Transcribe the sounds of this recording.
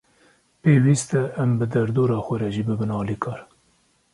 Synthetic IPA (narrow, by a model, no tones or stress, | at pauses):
peːwiːst̪ɛʔːmbɨd̪ɛɾd̪oːɾɑːxʷɛɾɛʒiːbɨbɨnɑːliːkʰɑːɾ